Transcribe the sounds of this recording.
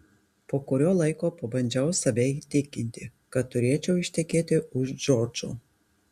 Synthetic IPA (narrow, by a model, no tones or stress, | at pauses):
poːkʊɾʲoːlˠɐɪkoːpobɐnʲd͡ʒʲɛʊsɐʋʲɛt̪ʲɪkʲɪnʲt̪ʲɪkɐt̪t̪ːʊɾʲiɛt͡ʃʲɛʊɪʃʲt̪ʲɛkʲeːt̪ʲɪʊʃd͡ʒɔːɾd͡ʒʊ̰